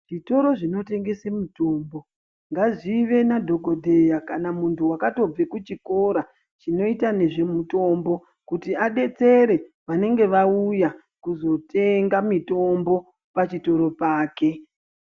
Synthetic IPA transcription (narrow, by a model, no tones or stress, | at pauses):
ʐ̥ito̞ɾo̞ʐino̞te̞ŋɡe̞semuto̞ːmbo̞ | ŋɡaʐiʋe̞nadʱo̞ɡʱo̞dʱejakanamuntʰuwakato̞b͡ve̞kut͡ʃiko̞ɾa | t͡ʃino̞itane̞ʐe̞muto̞mbo̞ | kutiaɗe̞t͡se̞ɾe̞ | ʋane̞ŋɡe̞ʋauja | kuzo̞te̞ŋɡamito̞mbo̞ | pat͡ʃito̞ɾo̞paːke̞